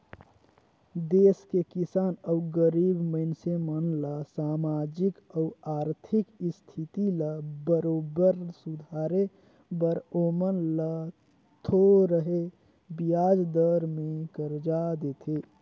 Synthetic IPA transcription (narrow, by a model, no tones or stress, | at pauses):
d̪eːskekɪsaːnəʊɡəɾiːbməɪnsemənlasaːmad͡ʒɪkəʊaːɾt̪ʰɪkst̪ʰit̪ilabəɾoːbəɾsʊd̪ʱaːɾe | bəɾomənlə | t̪ʰoɾəɦe | bijaːd͡ʒd̪əɾmẽkəɾd͡ʒad̪et̪ʰe